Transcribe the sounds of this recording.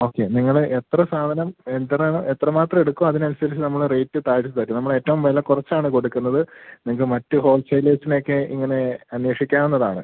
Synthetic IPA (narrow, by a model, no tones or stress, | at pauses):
o̞ːkːe̞niŋːɐɭet̪rɐsaːd̪ʱɐnɐmend̪rɐɳoet̪rɐmaːt̪rɐme̞ɽukːuɐðinɐnusɐɾit͡ɕːɨnɐmːɐɭrejtːɨt̪aːɻt͡ɕːt̪ɐɾkːumnɐmːɐɭe̞ːtːɐʋumʋɐlːɐkurɐt͡ɕːaːɳɨko̞ɽukːunːɐðɨniŋːɡɐɭmɐtːɨho̞ːlsɐjleːsinokːeḭŋːɐne̞ɐnweːʂikʲːaːmenːɐðaːɳɨ̰